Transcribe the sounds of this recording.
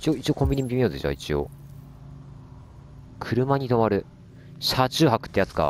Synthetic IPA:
i̥t͡ɕio̞it͡ɕio̞kõmbʲiɲ̟imit̪ʲemijod̪ḛt͡ɕa̰it͡ɕio̞̰ | kʰɯ̟ɾɯ̟maɲ̟it̪o̞maɾɯ̟ | ɕat͡ɕɨːɦakɯ̟̥t̪ːe̞jat͡sɨ̥ka̰

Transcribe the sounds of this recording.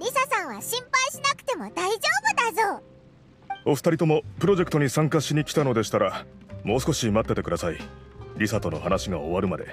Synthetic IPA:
ɾʲisasãɰ̃βaɕĩmpaiɕinakɯ̟̥t̪e̞mo̞d̪aiʑo̞ːbɯ̟d̪azoː | o̞ɸɯ̥t̪aɾʲit̪o̞mo̞pɯ̟ɾo̞ʑe̞kɯ̟̥t̪o̞ɲ̟isãŋkaɕiɲ̟ikʲi̥t̪ano̞d̪e̞ɕi̥t̪aɾamo̞ːsɨ̥ko̞ɕimat̪ːe̞t̪e̞kɯ̟d̪asaiɾʲisat̪o̞no̞̰hanaɕiɡao̞βaɾɯ̟mad̪e̞̰

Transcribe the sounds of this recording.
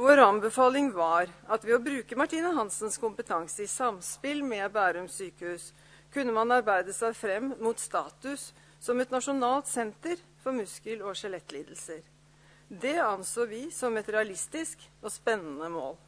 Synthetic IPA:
ʋoːɾɑnbəfɑːlɪŋʋɑɾɑt̪ʋɪɔbɾʉːkəmɑʈʰiːnəɦɑnsənskʊmpət̪ʰɑŋsəɪsɑmspɪlmɛbæːɾəɔmsyːkəhʉːs | kʰʉnːəmɑnɑɾbæɪd̪əsæɪfɾɛmːuːt̪st̪ɑːt̪ʉsː | ɔmɛt̪nɑʂʊnɑːlt̪sɛnt̪əɾ | fɔɾmʉskəlɔʂɛlɛt̪ːliːd̪l̩səɾ | d̪ɛɑnsoːʋɪsɔmɛt̪ɾɛɑlɪst̪ɪskɔspɛnːənəmo̰ːl

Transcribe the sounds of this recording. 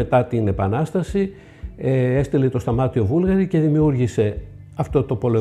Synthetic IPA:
e̞t̪ɐt̪ine̞pɐnɐst̪ɐsi | ee̞st̪ilet̪o̞st̪ɐmɐt̪io̞vulɣɐɾice̞ðimiuɾʝise̞ | ɐft̪o̞t̪o̞po̞lo

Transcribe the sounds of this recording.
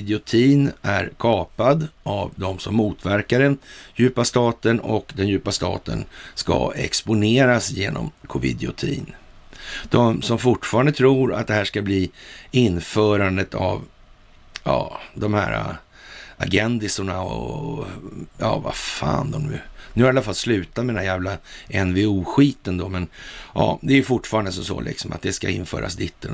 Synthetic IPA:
d̪ɪʊt̪ʰiːnæɾkʰɑːpad̪ʔavd̪ɔmsɔmːuːt̪væɾkaɾɛnjʉ̟ːpast̪ɑːt̪ənɔ̰kd̪ɛnjʉ̟ːpast̪ɑ̰ːt̪ə̰nska̰ɛ̰kspʊneːɾasjeːnɔ̰mkʰʊvɪ̰d̪ɪʊt̪ʰḭːn | d̪̥ɔmsɔmfʊʈfɑːɾand̪ət̪ʰɾuːɾa̰t̪̚d̪ɛhæːʂkabliːɪnfœːɾand̪ət̪ʰav | jɑːd̪ɔmhæːɾa̰ | aɡɛnd̪ɪsʊɳaɔ | jɑːvafaːnd̪ɔmɵ̰nʉ̟haɾalːafalːslʉ̟ːt̪at̪mɛd̪ɛnajæːvlaʔɛnvɪuːɧiːt̪ənd̪ɔmɛnʔɑ̰ːd̪ɛæɾjɵfʊʈfɑːɾand̪əs̬ɔmso̰ːlʔɪ̰ksɔmʔa̰t̪̚d̪ɛskaɪnfœ̰ːɾa̰sd̪ɪt̪ːəl

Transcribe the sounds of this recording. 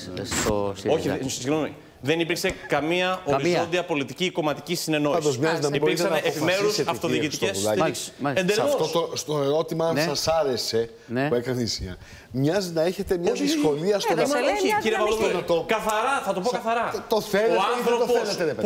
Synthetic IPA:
oçisiɣnomḭ | ðe̞nipiɾkse̞kɐmiɐoɾizo̞nd̪iɐpo̞lit̪iciko̞mɐt̪i̥cisine̞no̞isd̪osɐznɐipiɾkssɐnepimeɾusɐft̪o̞ððicit̪iceslɐsend̪elmoost̪ost̪oeɾo̞t̪imɐɐnsɐsɐɾe̞se̞ | puekɐnɐt̪insiɐ̰ | mɲɐzinɐeçe̞t̪emɲɐiskoliɐsɐciɾevɐlokɐθɐɾɐθɐt̪o̞pokɐθɐɾɐt̪oeoɐnθɾo̞pos

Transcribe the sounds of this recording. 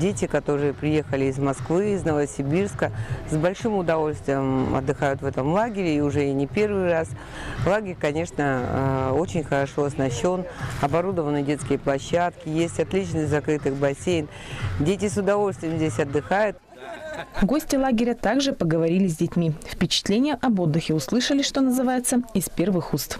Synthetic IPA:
dʲetʲɪkɐt̪o̞ɾɨjəpɾʲɪje̞xəlʲɪːzmɐskvɨːznəvəsʲɪbʲirskəsbɐlʲʂɨmʊd̪ɐvo̞lʲst̪vʲɪjəmɐ̰d̪ːɨxajʊt̪vɛt̪əmlˠaɡʲɪɾʲɪːʊʐɛɪnʲɪpʲe̞rvɨjras | lˠaɡʲɪɾʲkɐnʲe̞ʂnəo̞t͡ɕɪnʲxəɾɐʂo̞ɐsnɐɕːo̞nɐbɐɾud̪əvənɨjdʲe̞t̪skʲɪjəplˠɐɕːat̪kʲɪjesʲtʲɐt̪lʲit͡ɕnɨsʲtʲzɐkɾɨt̪ɨxbɐsʲejn | dʲetʲɪsʊd̪ɐvo̞lʲst̪vʲɪjəmzʲdʲesʲɐd̪ːɨxajʊt̪ | ɡo̞sʲtʲɪlˠaɡʲɪɾʲət̪aɡʐɨpəɡəvɐɾʲilʲɪzʲdʲɪtʲmʲifpʲɪt͡ɕɪ̥t̪lʲenʲɪjəʔɐbo̞d̪ːɨxʲɪʊslˠɨʂəlʲɪʂt̪o̞nəzɨvajɪt̪səɪspʲe̞rvɨxust̪f

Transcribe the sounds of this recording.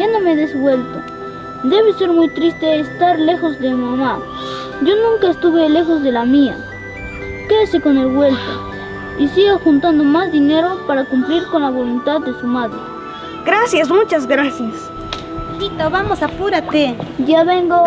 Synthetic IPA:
anomeðesbwelt̪o̰ | d̪e̞βese̞ɾmujt̪ɾist̪eːst̪aɾle̞xozd̪emimama | ʝonũŋkaest̪uβele̞xozðelamia̰ | keasekonelβwe̞lt̪o̰ | isiɣoxunt̪and̪omazd̪ine̞ɾopaɾakumpliɾkonlaβolunt̪aðːesumaðɾe | ɡɾasjas̬mut͡ʃaz̬ɡɾasjas | d̪it̪aβamosapuɾat̪eʝaβeŋɡo

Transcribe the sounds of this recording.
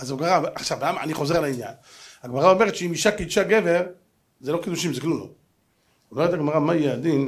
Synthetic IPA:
azaɡmaʁaʔaχʃavlamaa̰niχo̞zealainja̰n | aɡmaʁao̞me̞et̪ʃeimiʃakid̪ʃaɡe̞ve̞ʁ | zelo̞kid̪uʃimzeklumlo̰ | omeet̪aɡmaʁamajɛad̪in

